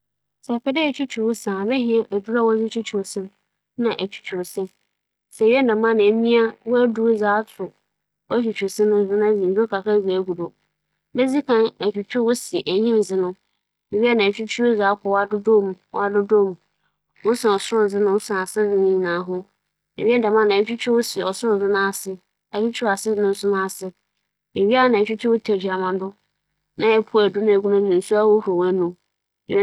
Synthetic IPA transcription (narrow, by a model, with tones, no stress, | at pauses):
sa˨pɛ˦dɪ˦æ˨t͡ɕʰᶣu˦t͡ɕʰᶣu˨ɾwʊ˦sã˨mɛ˦ɦɪ̃˦a˦˨ʔæ˨du˦ɾa˦wɔ˦d͡zɪ˦t͡ɕʰᶣu˦t͡ɕʰu˨ɾsɪ̃˦m | nã˨ʔæ˨t͡ɕʰᶣu̥˨t͡ɕʰᶣu˨ɾsɪ˦m | sɛ˨ɥɛ˦nã˨mã˦nɪ̃˨˦mĩ˦a˦wɔ˦æ˦du˦d͡zaː˨˦tʰʊ˨ | ɔ˦t͡ɕᶣi˨t͡ɕʰᶣu˨ɾsɪ̃˦nʊ̃˦zɪ˦nã˦d͡zi˨zo˦kʰa˨kʰa˦zi˨æ˨ɡu˨do˨ | bɛ˦d͡zi˦kʰã˦næ˨t͡ɕᶣu˨t͡ɕʰᶣu˦wʊ˦si˨ʔæ˨ɲĩ˦m˨d͡zɪ˨nʊ̃˦ | e˨ɥi˦a˦nã˨t͡ɕᶣu˦t͡ɕʰᶣu˦o˦za˦kʰʷɔ˨wa˦˨dʊ˦do˦mũ˨wɔ˦a˦˨dʊ˦do˦mũ˨ | wʊ˦sa˨ɔ˨sʊ˦ɾʊ˦˨d͡zɪ˦nʊ̃˦n˦sʊ˦ã˨sɪ˦dɪ̃˦nɪ̃˦ɲĩ˨nã˨˦ɦʊ̃˦ | e˨ɥi˦ɛ˦da˨mã˦˨nã˨˦t͡ɕᶣu˦t͡ɕᶣʊ˦wʊ˦si˨ɔ˨sʊ˦ʊ̃˦˨zɪ˦nʊ̃˦a˨sɪ˦ | a˨t͡ɕᶣi˦t͡ɕʰᶣu˦a˨sɪ˦˨nʊ̃˦n̩˦sʊ˦nʊ̃˦a˨sɪ˦ | e˨ɥi˦a˦˨nã˨t͡ɕᶣu˦t͡ɕʰᶣʊ˦wʊ˦tʰɛ˨d͡ʑᶣi˨a˨mã˨dʊ˦ | nã˦ɛ˦pʰu˦æ˨dʊ˦nã˦˨ɡu˦nã˦˨ɪ̃˨n̩˨su˦a˦wo˦ho˨wã˦nʊ̃˨˦˨